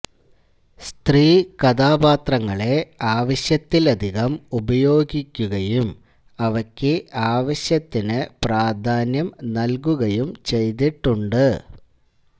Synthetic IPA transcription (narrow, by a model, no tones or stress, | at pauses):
st̪riːkɐd̪aːbaːt̪rɐŋːɐɭe̞aːʋɐɕjɐt̪ːilɐd̪ʱiɣɐmubɐjo̞ːɡikʲːuɣɐjum | ɐʋɐkʲːɨʔaːʋɐɕjɐt̪ːinɨpraːd̪ʱaːnjɐmnɐlkuɣɐjumt͡ɕe̞jt̪̬iʈːuɳɖɨ